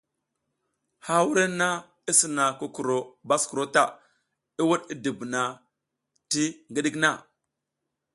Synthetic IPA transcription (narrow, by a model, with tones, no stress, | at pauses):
ha˦wu˦ɾe˦na˦ | i˦si˨na˨ku˦ku˨ɾo˨ba˦sku˨ɾo˦ta˨ | i˦wu˦ɗi˦di˨bna˨ | ti˦ŋɡi˦ɗi˦kna˦˨